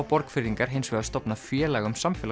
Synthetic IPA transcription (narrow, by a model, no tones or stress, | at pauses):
wpɔɾkfɪɾiŋkaɾ̥ɦejnsvɛɣast̪ɔpnafjɛːlaɣʏmsamfɛl